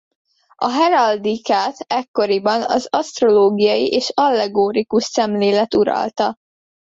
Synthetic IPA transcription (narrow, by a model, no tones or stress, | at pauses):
ɒɦɛɾɒld̪ikaːt̪ɛkːo̞ɾibɒnɒzɒst̪ro̞loːɡijɒjiʔeːʃɒlːɛɡoːɾikuʃsɛmleːlɛt̪uɾɒ̰lt̪ɒ